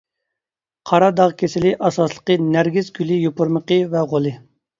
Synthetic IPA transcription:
qʰɑɾɑd̪ɑʁkʲʰesɪlɪʔɑsɑslˠə̥qənæɾɡʲizɡʲylɪjopuɾməqəvɛʁolˠɨ

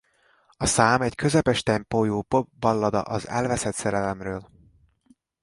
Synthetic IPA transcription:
ɒsaːmɛckʰø̞zɛpɛʃt̪ɛmpoːjoːpobːɒlːɒd̪ɒ̰ʔɒzɛ̰lvɛsɛt̪sɛɾɛlɛmrøːl

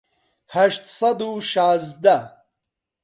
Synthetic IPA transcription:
hɐʃt̪sɐd̪uʃaːzd̪a

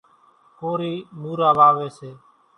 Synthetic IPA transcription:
koːɾiːmuːɾaːʋaːʋeːseː

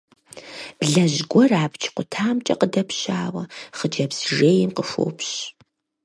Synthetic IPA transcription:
b̥ɮɐʑɡʷɔraːbt͡ʃʰqʷʊtʰaːmt͡ʃʼɐ̰qədɐpʰɕaːwɐχəd͡ʒɐpsʒeːjɪmqəʂo̰ːpʰɕ

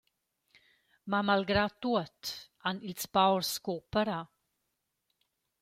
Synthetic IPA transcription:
mamalɡɾat̪ːuət̪ | anilspawɾskopəɾa

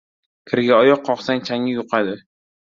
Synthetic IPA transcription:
kʲʰɪɾɪɡʲaɒjɒqʰːɒqsaŋʲt͡ʃʰaŋɪjoqʰad̪ɪ

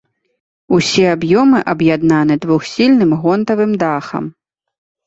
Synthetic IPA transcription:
usʲɛabjɔmɨʔɐbjad̪nanɨd̪vuxsʲilʲnɨmɣɔnt̪ɐvɨmd̪axɐ̰m

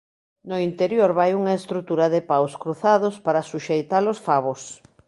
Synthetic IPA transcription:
noint̪eɾjoɾβajuŋaest̪ɾut̪uɾaðepawskɾuθaðʊspaɾasuʃejt̪alosfaβos

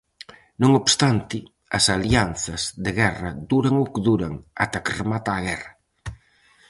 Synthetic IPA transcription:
nõŋobst̪ant̪ɪ | ɐsaljanθɐzðeɣɛrɐd̪uɾaŋokðuɾaŋa̰t̪akɾmat̪aːɣɛrɐ

